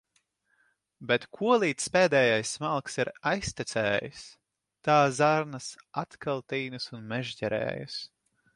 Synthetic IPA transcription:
bʲɛt̪kʰuɔlˠiːt̪speːd̪ɛːjajsmalˠksiɾajsʲt̪ʲit̪sɛːjɨ̰s | t̪aːzaɾnasat̪kalˠt̪iːnɨsunmɛʒɟɛɾɛ̰ːjṵs

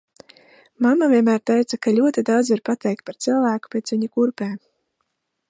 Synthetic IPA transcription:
mamavʲiɛmæːɾt̪ɛjt̪sakaʎʲuɔt̪id̪awd̪zʲiɾpat̪ɛjk̚t̪̚paɾt̪silˠvæːku̥pʲeːt̪sviɲikuɾpɛː

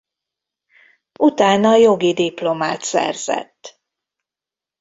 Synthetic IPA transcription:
ut̪aːnɒjo̞ɡid̪iplo̞maːt̪sɛ̰rz̥ɛ̰t̪ː

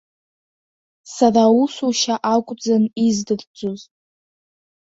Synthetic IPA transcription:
sarausuʃaʔakʷʼd͡zanizdɨrd͡zʼoz

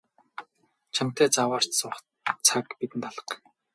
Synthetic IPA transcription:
t͡ɕʰam̥t̪æːt͡sawaːr̥t͡ɕsʊχ | t͡sʰakpit̪ɘ̆nt̪aɮə̆q

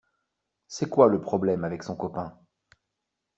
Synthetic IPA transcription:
sɛkwaləpχɔblɛmavɛksɔ̃kɔpɛ̃

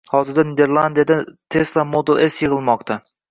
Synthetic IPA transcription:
hɒzɪɾd̪aned̪eɾlˠand̪ijad̪at̪ʰeslˠamod̪ɨlˠesjɨʁɨlˠmɒqt̪ʰa

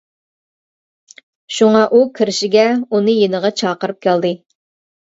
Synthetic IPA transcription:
ʃuŋɑʔukʲʰiɾɪʃɪɡʲɛunɨjenəʁɑt͡ʃʰɑːqəɾɨp̚kʲʰæld̪ɨ

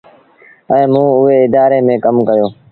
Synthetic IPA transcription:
ɛ̃ːmũːʊɦeːɪd̪aːɾeːmẽːkəmkəjoː

